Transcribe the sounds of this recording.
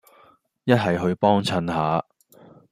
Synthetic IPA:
jɐ˥t̚hɐ˨jɦɵ˧ɥpɔː˥ŋt͡ʃʰɐ˧nhaː˨˥

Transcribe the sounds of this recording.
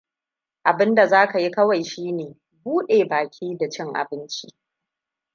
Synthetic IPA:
ʔa˨bɪ˦nda˨zaː˦ka˨ji˦kɐ˦wa˨jʃiː˦neː˨ | buː˦ɗeː˨baː˨kʲʰiː˦da˨t͡ʃɪ˦ŋʔa̰˨bɪ˦nt͡ʃi˦

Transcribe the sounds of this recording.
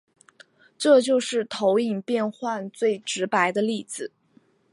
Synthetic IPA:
ʈ͡ʂɤ˥˧t͡ɕjo˥˧ʊʂɻ̩˥˩t̪ʰo˧˥ʊi˨˩ŋpjɛ˥˧nxwa˥˧nt͡swe˥˩ɪʈ͡ʂɻ̩˧˥pa˧˥ɪd̪ə˧li˥˩d͡zɹ̩˨˩

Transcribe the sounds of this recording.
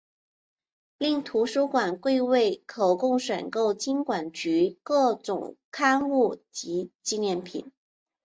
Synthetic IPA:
li˥˩ŋt̪ʰu˧˥ʂu˥kwa˨˩nkwe˥˧ɪwe˥˩ɪkʰo˨˩ʊkʊ˥˩ŋʂwə˨˩nko˥˩ʊt͡ɕi˥nkwa˨˩nt͡ɕy˧˥kɤ˥˩ʈ͡ʂʊ̰˨˩ŋkʰa˥nu˥˩t͡ɕi˧˥t͡ɕi˥˧njɛ˥˩npʰḭ˨˩˦n

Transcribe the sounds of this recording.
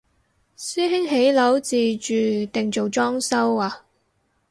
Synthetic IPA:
syː˥ɦɪ˥ŋɦe˨˥jlɐ˨˥wt͡siː˨t͡ʃyː˨t̪ɪ˨ŋt͡so˨wt͡ʃɔː˥ŋsɐ˥waː˨

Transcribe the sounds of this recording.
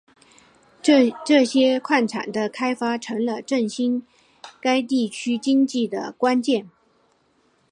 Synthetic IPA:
ʈ͡ʂɤ˥˩ɕjɛ˥kʰwa˥˩nʈ͡ʂʰa̰˨˩nd̪ə˦kʰa˥ɪfa˥ʈ͡ʂʰɤ˧˥ŋlə˧ʈ͡ʂə˥˩ŋɕi˥n | ka˥ɪt̪i˥˩t͡ɕʰy˥t͡ɕi˥ŋt͡ɕi˥˩d̪ə̰˩kwa˥nt͡ɕjɛ˥˩n

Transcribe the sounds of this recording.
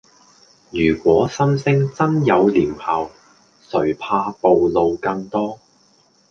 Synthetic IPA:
jyː˨˩kʷɔː˨˥sɐ˥nsɪ˥ŋt͡sɐ˥njɐ˨˧wliː˨˩mhaː˨w | sɵ˨˩ɥpʰaː˧po˨wlo˨wkɐ˧ŋt̪ɔː˥

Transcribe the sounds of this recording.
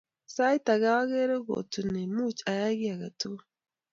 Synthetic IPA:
sa˦i˦ta˨ɣa˦wa˦ɣe˦ɾe˦ɣo̰˨tu˨ne˨mu˦t͡ʃa˨ja˦ɣi˦a˨ɣa˨tu˦

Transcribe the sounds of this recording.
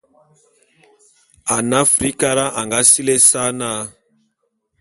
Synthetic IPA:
a˨na˦fɾi˦ka˦ɾa˦ʔa˨ŋɡa˦si˦lɛ˦sa˦na˦

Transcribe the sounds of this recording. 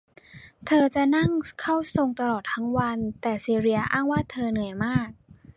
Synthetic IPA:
t̪ʰɤː˧t͡ɕa˨˩na˥˩ŋkʰa˥˩wso˧ŋt̪a˧lɔː˨˩t̪ʰːa˦˥ŋwa˧nt̪ɛː˨˩siː˧ɾi˧ɐʔaː˥˩ŋwaː˥˩t̪ʰɤː˧nɯ˩˦əjmaː˥˩k̚

